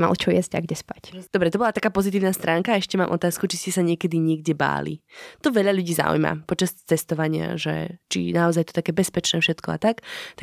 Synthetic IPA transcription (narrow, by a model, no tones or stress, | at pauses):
ma̰lt͡ʃɔjɛzɟa̰ɡɟɛspacd̪ɔbɾɛt̪ɔbɔlat̪akaːpɔzit̪̬iːʊnast̪ɾʔaːŋkaɛʃcɛmaːmʔɔt̪aːskut͡ʃiscɛsaɲɪɛkɛd̪iɲɪɛɡɟɛba̰ːlḭt̪ɔʋɛʎaʎuɟiːza̰ṵjma̰pɔt͡ʃast͡sɛst̪ɔʋaɲɪa̰ʒɛ̰t͡ʃḭnaɔzajɛt̪ɔ̥t̪akɛːbɛspɛt͡ʃnɛːfʃɛt̪kɔa̰t̪akt̪a